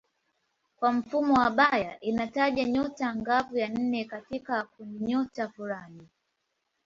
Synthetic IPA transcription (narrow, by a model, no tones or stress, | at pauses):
kwam̩fumɔwaɓajaʔinataʄaɲɔtaŋɡavujan̩nɛkatikakundiɲɔtafuɾani